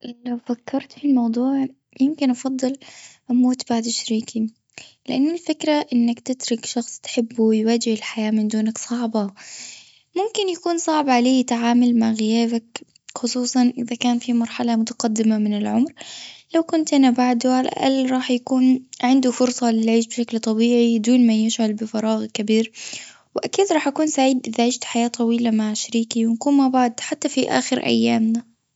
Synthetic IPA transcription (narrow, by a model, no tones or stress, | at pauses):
lawfakʰːɑɾˤt̪filmɑwd̪ˤuːʕ | jɪmkɪnʔɑfɑd̪ˤːɨlʔamuːt̪b̥aʕd̪ʃaɾiːki | lɪʔanːalfɪkɾaʔɪnːakt̪ɪt̪ɾʊkʃɑxsˤt̪ħɪbːujwaːd͡ʒɪhɪlħajaːmɪnd̪uːnaksˤɑʕbɑ | mʊmkɪnjakuːnsˤɑʕbʕaleːɪt̪ʕaːmalmaʕɣɪjaːbak | xʊsˤuːsˤɑnʔɪðakaːnfimɑɾˤħalamʊt̪ḁqɑd̪ːɪmamɪnɪlʕʊmɾlawkʊnt̪ʔanabaʕd̪ʊʕala̰ʔalɾˤɑːħjakuːnʕɪnd̪ufʊɾsˤɑlɪlʕiːʃbʃaklt̪ˤɑbiːʕid̪uːnmajɪʃʕalbɪfɑɾˤɑːɣkabiːɾ | wɪʔakiːd̪ɾˤɑːħʔakuːnsaʕiːd̪ʔɪðaʕɪd͡ʒt̪ħajaːt̪ˤɑwiːlamaʕʃaɾiːkiwɪnkuːnmabaʕd̪ħat̪ːafiʔa̰ːxɪɾʔa̰jːaːmna